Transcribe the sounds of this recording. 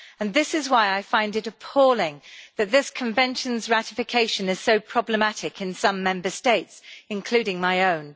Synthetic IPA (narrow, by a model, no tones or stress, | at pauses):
ə̃nðɪsɪzwaɪaɪfãɪ̃ndɨɾəpʰɔlɪ̃ŋðɨt̪̚ðɪskʰə̃ɱvɛ̃nʃə̃nzɹætɪfɨkʰeɪʃɨ̃nɨz̥soʊpʰɹ̥ɒbləmatɪkʰɨ̃nsʌ̃mːɛ̃mbəsteɪtsɨ̃nkʰl̥ʉɾɪ̃ŋmaɪõʊ̃n